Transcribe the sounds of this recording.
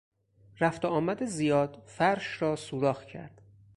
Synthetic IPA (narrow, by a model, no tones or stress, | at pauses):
ɾæft̪oɒːmæd̪ezijɒːd̪̥fæɾʃɾɒːsuːɾɒːhcʰæ̰ɾd̪̥